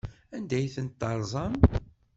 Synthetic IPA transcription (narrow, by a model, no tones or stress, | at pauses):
ænd̪æjθənt̪ːɑɾˤzˤɑm